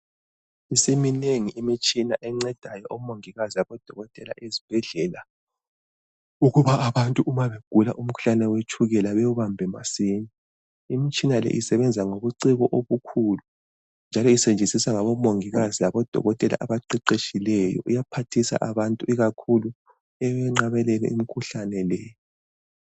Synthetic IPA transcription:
isimineŋiimit͡ʃʼinaʔɛŋ͡ǀɛd̥ʱajɔʔomoŋiɣaziaβɔd̥ʱɔɣɔtʼɛla̰ʔezib̥ʱɛɮɛla | uɣuβaːβantʼuʔumaβeɡ̥ʱulaʔum̩kʰu̥ɬanawet͡ʃʰuɣɛlaβewuβambʱɛmasiːni | imit͡ʃʼinalɛ̰ʔisɛβɛnd͡zʱaŋoβuǀiɣɔʔoβukʰuːlu | nd͡ʒʱalɔisend͡ʒʱisisaŋaβɔmoŋiɣazilaβɔd̥ʱɔ̰ɣɔtʼɛla̰ʔaβaǃiǃeʃʼilɛjɔ̰ʔujapʰatʰisa̰ʔaβantʼuʔiɣakʰulu | ɛwɛŋ͡ǁaβɛlɛlɛ̰imikʰuɬanɛlɛ

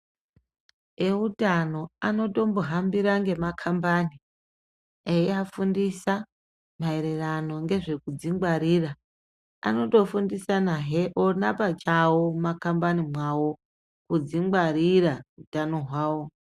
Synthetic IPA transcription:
eutano̞ano̞to̞mboɦambiɾaŋɡe̞makʰambani | ejiafundisa | maeɾerano̞ŋɡe̞ʐe̞kud͡ziŋɡwaɾiːra | a̰no̞to̞fundisanaɦeʔonapat͡ʃawomakambanimwawo̞ | kud͡ziŋɡ͡baɾirautano̞ɦwaːwo

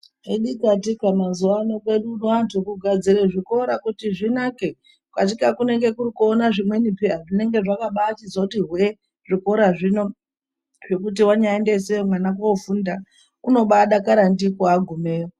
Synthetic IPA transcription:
iɗikatikamazuanoke̞ɗunoantʰukuɡʱad͡ziɾeʐiko̞ɾakutiʐinake | kwat̬ikakune̞ŋɡe̞kurikuonaʐimwe̞nipiaʐine̞ŋɡe̞ʐakaɓaːt͡ʃizwautiɦwe | ʐiko̞ɾaʐino̞ | ʐe̞kut̬iwaɲaende̞s̬eomwanakofunda | kuno̞ɓaɗakaɾandikoaɡʱume̞ːjo

